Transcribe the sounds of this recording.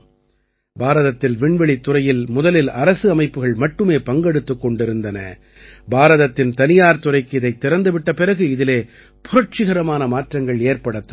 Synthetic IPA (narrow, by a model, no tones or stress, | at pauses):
baːɾɐðɐt̪ːɪlʋɪɳʋɛɭit̪ːʊrɐjɪlmʊðɐlɪlɐɾɐsɯɐmɐɪpːɯɣɐɭmɐʈːɯmeːpɐŋɡɛɽɯt̪ːɯkːɔɳɖɪɾɯnd̪ɐnɐ̰ | baːɾɐðɐt̪ːɪnt̪ɐnɪjaːɾt̪ʊrɐɪkːɯɪðɐɪt̪ːɪɾɐnd̪ɯʋɪʈːɐpɪɾɐɣɯɪðɪleː | pʊɾɐɾʈ̚t͡ʃɪɣɐɾɐmaːnɐmaːʈrɐŋɡɐɭeːrpɐɽɐt̪ːɯ